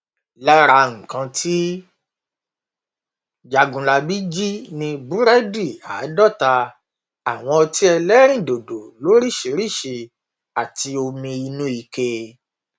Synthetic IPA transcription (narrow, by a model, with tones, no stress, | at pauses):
la˦ɾa˧ŋ̩̃˨kã˧tʰi˦ | d͡ʒa˧ɡũ˨la˧bi˦d͡ʒi˦nĩ˧bu˨˦ɾɛ˦di˦˨a˨˦dɔ˦˨ta˧ | a˨w̃ɔ̃˧ɔ˧ti˦ɛ˧lɛ˦ɾ̃ĩ˦˨do˨do˨lo˨˦ɾi˦˨ʃe˨˦ɾi˦˨ʃi˧ | a˨ti˧o˧mĩ˧i˧nũ˦i˧ke˧